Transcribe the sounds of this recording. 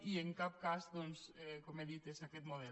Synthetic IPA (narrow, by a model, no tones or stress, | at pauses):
ieŋkap̚kasðonsɛkomeðiθesakɛt̪moðɛ